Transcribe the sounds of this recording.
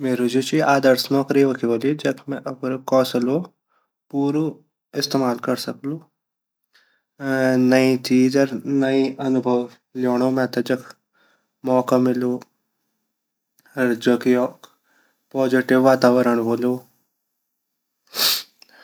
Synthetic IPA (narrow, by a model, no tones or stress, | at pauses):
meːɾud͡ʒut͡ʃiaːd̪əɾsnɔːkɾiʋɐkʰiʋoːlid͡ʒɐkʰmɛ̃ʔɐpɾkɔːsɐlo | puːɾu | ɪst̪eːmaːlkɐɾsɐklu | nɐĩt̪iːd͡ʒɐɾnɐiɐnʊbʱɐʋ | ljoːɽ̃oːmɛ̃t̪ɐd͡ʒɐkʰ | mɔːkamɪlo | ɐɾd͡ʒokjoː | pɔːziʈɪʋːaːt̪aːʋəɾəɳ̃ʋoːloː